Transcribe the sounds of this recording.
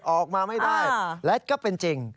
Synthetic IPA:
ʔɔː˨˩k̚maː˧ma˥˩jdaː˥˩jlɛ˦˥t̚kɔː˥˩pe˧nt͡ɕi˧ŋ

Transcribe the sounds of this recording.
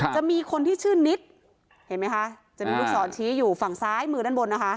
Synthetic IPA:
t͡ɕa˨˩miː˧kʰo˧nt̪ʰiː˥˩t͡ɕʰɯː˥˩ni˦˥t̪̚ | he˨˩˦nma˦˥jkʰa˦˥ʔ | t͡ɕa˨˩miː˧lu˦˥k̚sɔː˩˦nt͡ɕʰiː˦˥juː˨˩fa˨˩ŋsaː˦˥jmɯː˧da˥˩nbo˧nːa˦˥kʰa˦˥ʔ

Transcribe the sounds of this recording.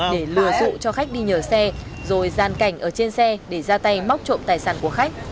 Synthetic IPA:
ɗe˧˩lɨ˧˩əzṵ˧˨t͡ɕɔ˧xa˦˥k̚ɗi˧ɲəː˧˩sɛ˧ | zo˨˩jzaː˨˩nka˨˧˩jŋ̟ʔəː˧˩t͡ɕe˧nsɛ˧ɗe˧˩zaː˧t̪a˧jma˦˥wk͡p̚t͡ɕo̰˧˨mt̪aː˨˩jsaː˧˩nku˧˩əxa˦˥k̚

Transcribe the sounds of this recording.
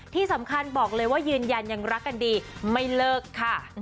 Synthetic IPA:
t̪ʰiː˥˩sa˩˦mkʰa˧nbɔː˨˩k̚lɤː˧jwaː˥˩jɯː˧nja˧nja˧ŋɾa˦˥kːa˧ndiː˧ma˥˩jlɤː˥˩kʰːa˥˩

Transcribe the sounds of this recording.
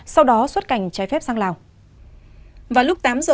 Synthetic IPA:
sa˧wɗɔ˨˦swə˦˥t̚ka˨˩jŋ̟t͡ɕaː˨˦jfɛ˦˥p̚saː˧ŋlaː˨˩w | vaː˨˩lʊ˦˥k͡p̚t̪aː˨˦mzəː˨˩

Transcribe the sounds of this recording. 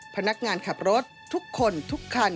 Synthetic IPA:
pʰa˧na˦˥k̚ŋaː˧nkʰa˨˩p̚ɾo˦˥t̪̚ʰːu˦˥kʰːo˧nt̪ʰu˦˥kʰːa˧n

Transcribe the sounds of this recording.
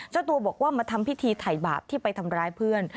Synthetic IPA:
t͡ɕa˥˩wt̪u˧ɐbɔː˨˩k̚waː˥˩maː˧t̪ʰa˧mpʰi˦˥t̪ʰiː˧t̪ʰa˨˩jba̰ː˨˩p̚t̪ʰiː˥˩pa˧jt̪ʰa˧mɾaː˦˥jpʰɯ˥˩ən

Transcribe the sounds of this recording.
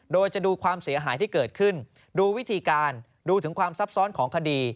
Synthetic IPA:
doː˧jt͡ɕa˨˩duː˧kʰwaː˧msi˩˦ɐɦaː˩˦jt̪ʰiː˥˩kɤː˨˩t̪̚kʰɯ˥˩n | duː˧wi˦˥t̪ʰiː˧kaː˧n | duː˧t̪ʰɯ˩˦ŋkʰwaː˧msa˦˥p̚sɔː˦˥nkʰɔː˩˦ŋkʰa˧diː˧

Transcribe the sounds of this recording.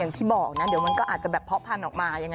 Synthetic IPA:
a˨˩ŋt̪ʰiː˥˩bɔː˨˩k̚na˦˥di˨˦wma˧nkɔː˥˩aː˨˩t͡ɕa˨˩bɛː˨˩pʰːɔ˦˥pʰa˧nʔɔː˨˩k̚maː˧ja˧ŋ

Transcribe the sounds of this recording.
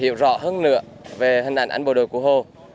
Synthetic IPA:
ḭ˧˨əwzɔ̰˧˥ɦəː˧nːɨ̰˧˥ə | ve˨˩hï˨˩ŋʔa˧˩ŋʔa̰˧jŋɓo˨˩ɗo˨˩jku˧˩əɦo˧˩

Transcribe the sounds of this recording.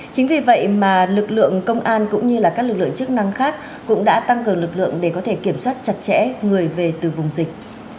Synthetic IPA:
t͡ɕï˨˦ŋ̟vi˨˩və̰˧˨jmaː˨˩lɨ˨˩k̚lɨ̰˧˨əŋkə˧wŋ͡mʔaː˧nkʊ̰˧˥ŋ͡mɲɨ˧laː˨˩kaː˦˥k̚lɨ˨˩k̚lɨ̰˧˨ŋt͡ɕɨ˦˥ək̚na˧ŋxaː˦˥k̚ːʊ̰˧˥ŋ͡mɗa̰ː˧˥t̪a˧ŋkɨ˨˩əŋlɨ˨˩k̚lɨ̰˧˨əŋɗe˧˩kɔ˨˦t̪ʰe˧˩ki˧˩əmswaː˦˥t̚t͡ɕa˨˩t̚t͡ɕɛ̰˧˥ŋɨ˨˩əjve˨˩t̪ɨ˨˩vʊ˨˩ŋ͡mzï˨˩k̟̚

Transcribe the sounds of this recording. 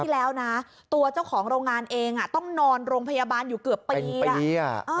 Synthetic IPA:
lɛː˦˥wna˦˥ | t̪u˧ɐt͡ɕa˥˩wkʰɔː˩˦ŋɾoː˧ŋaː˧nʔeː˧ŋʔa˨˩t̪ɔ˥˩ŋnɔː˧nɾoː˧ŋpʰa˧jaː˧baː˧njuː˨˩kɯ˨˩əpːiː˧a˨˩a˧˩ʔaː˧˩

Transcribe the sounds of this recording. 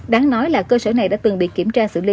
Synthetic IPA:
ɗaː˨˦ŋnɔ˨˦jlaː˨˩kəː˧səː˧˩na˨˩jɗa̰ː˧˥t̪ɨ˨˩ŋɓḭ˧˨ki˧˩əmt͡ɕaː˧sɨ̰˧˨li˧˦

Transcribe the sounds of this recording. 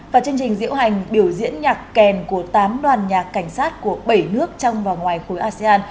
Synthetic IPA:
vaː˨˩t͡ɕɨ˧əŋt͡ɕï˨˩ŋ̟zḭ˧˥əwɦa˨˩jŋ̟ɓi˧˩əwzḭ˧˥ənɲaː˨˩kːɛ˨˩nku˧˩ət̪aː˨˦mɗwaː˨˩nɲaː˨˩kːa˧˩jŋ̟saː˦˥t̚ku˧˩əɓə˧˩jnɨ˦˥ək̚t͡ɕɔ˧wŋ͡mvaː˨˩wŋwaː˨˩jxo˨˦jʔaː˧sɛ˧aː˧n

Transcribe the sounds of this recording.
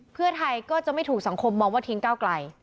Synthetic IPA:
pʰɯ˥˩ɐət̪ʰa˧jkɔː˥˩t͡ɕa˨˩ʔma˥˩t̪ʰuː˨˩k̚sa˩˦ŋkʰo˧mːɔː˧ŋwaː˥˩t̪ʰi˦ŋkaː˥˩wkla˧j

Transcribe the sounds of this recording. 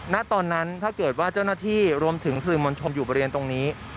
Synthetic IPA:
na˦˥ʔt̪ɔː˧nːa˦˥nt̪ʰaː˥˩kɤː˨˩t̪̚waː˥˩t͡ɕa˥˩wnaː˥˩t̪ʰiː˥˩ɾu˧əmt̪ʰɯ˩˦ŋsɯː˨˩mo˧nt͡ɕʰo˧njuː˨˩bɔː˧ɾe˧nt̪o˧ŋniː˦˥

